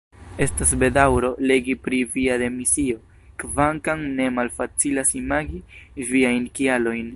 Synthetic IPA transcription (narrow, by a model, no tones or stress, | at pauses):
e̞stas̬be̞dawɾo̞le̞ɡipɾiviad̪e̞misio̞ | kvaŋkaŋne̞malfat͡silasimaɡiviajnkialo̞jn